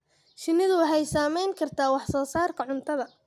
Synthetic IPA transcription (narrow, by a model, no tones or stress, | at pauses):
ʃɪnːɪðʊwɑħɛjsaːmɛjŋkʰɐrt̪ʰaːwɑħsɔːsaːrkʰɐʕʊnt̪ʰɐðɐ